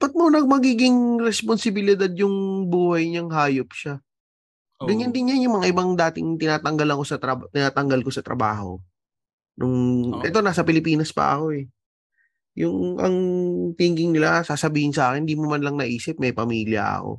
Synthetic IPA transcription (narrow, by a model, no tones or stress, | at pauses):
pɐt̪̚monɐɡ̚mɐɡiːɡɪŋɾɛsponsɪbɪlɪd̪ad̪̚jʊŋbuːhɐjɲɐŋɦaːjop̚ʃa | ɡɐɲːɐnd̪ɪnjanjʊŋmɐŋaʔɪbaŋd̪aːt̪ɪŋt̪ɪnaːt̪ɐŋɡɐlɐŋko̞sɐt̪ɾɐbt̪ɪnaːt̪ɐŋɡɐlko̞sɐt̪ɾɐ̰ba̰ːɦo̞̰ | nʔʊŋʔɛt̪o̞naːsɐpɪlɪpiːnɐspɐ̰ʔɐ̰ko̞ɛ | jʊŋʔɐ̰ŋt̪iːŋɡɪŋnɪlasaːsɐbiːhɪnsɐʔaːkɪnɪd̪iːmomɐnlɐŋnɐʔiːsɪp̚mɐjpɐmiːljɐ̰ɐ̰ko̰